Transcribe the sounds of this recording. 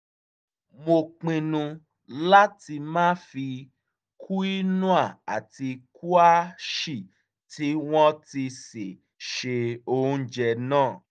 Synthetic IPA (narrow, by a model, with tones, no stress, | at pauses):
mo˧k͡pĩ˧nũ˧ | la˦ti˧mãː˦fi˧ | kʰu˦i˦nũ˦a˦˨a˨ti˧ku˦a˦ʃi˦˨ | ti˨˦w̃ɔ̃˦ti˧se˨ | ʃe˧o˧hũ˧˦d͡ʒɛ˧nãː˦˨